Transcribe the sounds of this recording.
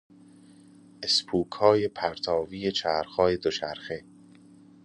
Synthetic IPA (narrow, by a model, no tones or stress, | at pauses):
ʔespʰuːkʰhɒːjepʰæɾt̪ʰɒːviːe̞t͡ʃʰæːɾxɒːje̞d̪ot͡ʃʰæɾxe